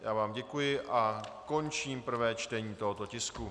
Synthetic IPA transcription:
jaːvaːmɟɛkujɪʔako̞nt͡ʃiːmpr̩vɛːt͡ʃt̪ɛɲiːt̪o̞ɦo̞t̪o̞cɪsku

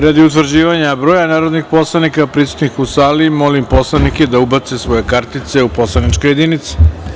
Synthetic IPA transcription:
ɾad̪iut̪ʋr̩d͡ʑiːʋaɲabɾojanaːɾo̞d̪nixpo̞slˠanikapɾisu̥t̪nixusaːlimo̞limpo̞slˠanikjed̪aubat̪sesʋo̞jekaɾt̪it̪se̞upo̞slˠanit͡ʃko̞jed̪init̪si̥

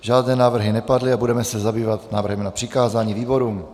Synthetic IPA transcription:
ʒaːdnɛːnaːvr̩ɦɪnɛpadlɪabudɛmɛsɛzabiːvat̪naːvr̩ɦɛmnapr̝̥ɪkaːzaːɲiːviːbo̞ɾuːm

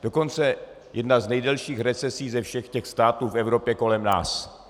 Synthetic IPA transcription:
d̥o̞ko̞nt͡sɛ | jʔɛdnaznɛjdɛlʃiːxɾɛt͡sɛsiːzɛfʃɛxcɛxst̪aːt̪uːfɛvɾo̞pjɛko̞lɛmna̰ːs

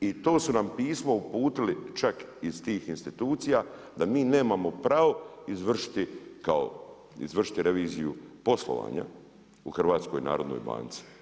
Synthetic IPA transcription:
it̪o̞ːsunampiːsmo̞upuːt̪ilit͡ʃakizt̪iːxinst̪it̪uːt̪sija | d̪amiːne̞ːmamo̞pɾaʋo̞izʋr̩ʂi̥t̪ikao̰ | ḭzʋr̩ʂi̥t̪iɾeʋiːzijṵpo̞slˠo̰ʋa̰ːɲa̰ | uxrʋaːt̪sko̞jina̰ːɾo̞d̪no̰jba̰ːnt̪si̥

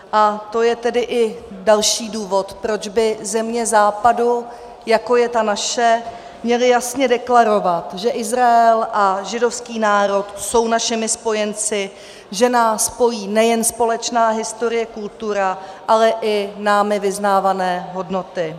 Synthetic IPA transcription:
ʔat̪ojɛt̪ɛdɪʔɪ | dalʃiːduːvo̞t̪pɾo̞d͡ʒbɪzɛmɲɛzaːpadu | jako̞jɛt̪anaʃɛ | mɲɛlɪjasɲɛdɛklaɾo̞vat̪ʒɛʔɪzɾaɛlʔaʒɪdo̞fskiːnaːɾo̞t̪so̞wnaʃɪmɪspo̞jɛnt͡sɪ | ʒɛnaːspo̞jiːnɛjɛnspo̞lɛt͡ʃnaːɦɪst̪o̞ɾɪjɛkult̪uɾaʔalɛʔɪnaːmɪvɪznaːvanɛːɦo̞dno̞t̪ɪ

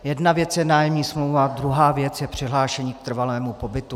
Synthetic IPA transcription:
jɛdnavjɛt͡sjɛnaːjɛmɲiːsmlowvad̪ɾuɦaːvjɛt͡sjɛpr̝̥ɪɦlaːʃɛɲiːk̚t̪r̩valɛːmupo̞bɪt̪u

